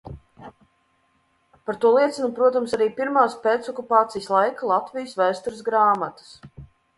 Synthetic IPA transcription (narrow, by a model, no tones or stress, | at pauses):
paɾt̪uɔlˠiɛt̪sinupɾuɔt̪amsaɾiːpiɾmaːspeːt̪sɔkupaːt̪sijslˠajkalˠat̪vijəsvæːst̪uɾɨsɡɾaːmat̪ḁs